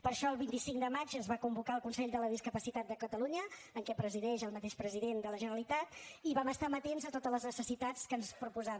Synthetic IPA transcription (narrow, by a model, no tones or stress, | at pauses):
pəɾʃɔəlˠβint̪isiŋkd̪əmad͡ʒənzβakumbukaəlˠkunsɛʎd̪ələðiskəpəsit̪at̪̚d̪əkət̪əluɲəːŋkɛpɾəziðɛʃəlˠmət̪eʃpɾəziðend̪ələʒənəlit̪at̪iβaməst̪amət̪enzət̪ot̪ələznəsəsit̪at͡skənspɾupuzaβ